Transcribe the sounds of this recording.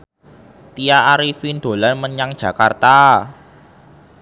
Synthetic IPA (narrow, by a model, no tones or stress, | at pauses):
t̪ijaʔːɾifind̪̥o̤lanməɲaŋd̥ʒ̥ä̤kart̪a